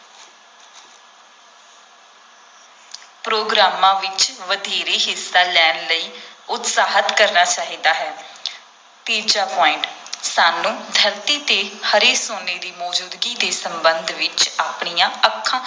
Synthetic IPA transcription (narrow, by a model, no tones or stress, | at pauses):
pɾoːɡɾaːmãːʋɪt͡ʃʋəd̪ʱeːɾeːɦɪsːaːlɛːnləiːʊt̪saːɦət̪kəɾnaːt͡ʃaːɦiːd̪aːɦɛː | t̪iːd͡ʒaːpɔːɪɳʈsaːnũːd̪ʱəɾt̪iːt̪eːhəɾeːsoːneːd̪iːmɔːd͡ʒuːd̪ɡiːd̪eːsəmbənd̪ʱʋɪt͡ʃaːpɳijãːəkʰːãː